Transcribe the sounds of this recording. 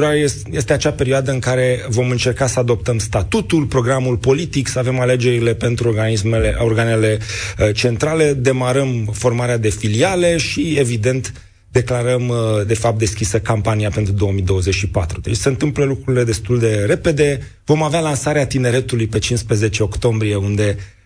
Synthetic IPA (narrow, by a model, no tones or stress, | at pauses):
ɾaje | jest̪eat͡ʃape̞ɾioad̪əɨŋkaɾe̞vo̞mɨnt͡ʃe̞rkasəad̪o̞p̚t̪əmst̪at̪ut̪ulpɾo̞ɡɾamulpo̞lit̪iksəave̞male̞d͡ʒe̞ɾile̞pe̞nt̪ɾuoɡaismeeorɡane̞le̞t͡ʃe̞nt̪ɾale̞d̪e̞maɾəmfo̞rmaɾead̪e̞filiale̞ʃievid̪e̞nt̪ | d̪e̞klaɾəmd̪e̞fap̚t̪d̪e̞skʲisəkampaniape̞nt̪ɾud̪o̞omid̪o̞wəzet͡ʃʲʃipat̪ɾud̪et͡ʃʲseɨnt̪ɨmpləlukɾuɾile̞d̪e̞st̪uld̪e̞ɾe̞pe̞d̪e̞ | vo̞mavealansaɾeat̪ine̞ɾe̞t̪ulujpe̞t͡ʃinspɾeze̞t͡ʃe̞o̞kt̪o̞mbɾije̞und̪e̞